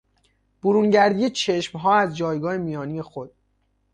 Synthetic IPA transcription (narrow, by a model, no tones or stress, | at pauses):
b̥oɾuŋɟæɾd̪ijet͡ʃʰe̞ʃmɦɒːæzd͡ʒɒːjɡɒːhemijɒːnije̞xo̞d̪̥̚